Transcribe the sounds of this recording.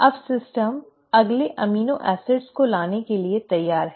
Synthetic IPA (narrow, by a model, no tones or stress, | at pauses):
ɐbsɪsʈəm | ɐɡleʔɐmiːnõʔɛːsɪɖskolaːnekeliet̪ɐjːaːɾɦɛ